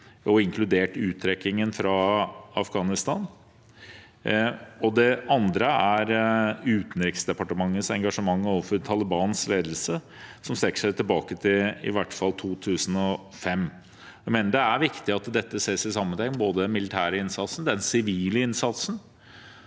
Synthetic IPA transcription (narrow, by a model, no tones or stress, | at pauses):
ɔɪŋkʰlʉd̪eːʈʉːt̪ʰːɾɛkːɪŋənfɾɑɑfɡɑːnɪst̪ɑːn | ɔd̪ɛɑnd̪ɾəæɾʉːt̪n̩ɾɪksd̪ɛpɑʈəmɑŋːəsɛŋɡɑʂəmɑŋːoːʋəfɔɾt̪ʰɑləbɑːnsleːd̪əl̩sə | sɔmst̪ɛkːə̥ʂæɪt̪ʰɪlbɑːkət̪ʰɪɪ̰ʋæʈːfɑlt̪ʰuːt̪ʰʉːsn̩ɔ | fɛmː | æɪmeːnəɖɛæɾʋɪkt̪ɪɑt̪d̪ɛt̪ːəseːsɪsɑmːənt̪ʰɛŋboːd̪əmɪlɪt̪ʰæːɾəɪnsɑt̪sn̩d̪ɛnsɪʋiːləɪnsɑt̪sn̩